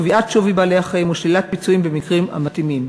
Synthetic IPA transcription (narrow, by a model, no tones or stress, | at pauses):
viʔatʃovibalejhaχaimuʃlilat̪̚pit͡suimbemikʁima̰matimim